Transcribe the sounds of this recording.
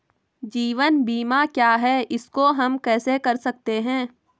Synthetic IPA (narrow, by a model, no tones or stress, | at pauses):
d͡ʒiːʋənbiːmakjaːɦɛːɪskoɦɐmkɛːsekɐɾsɐk̚t̪eɦɛ̃ː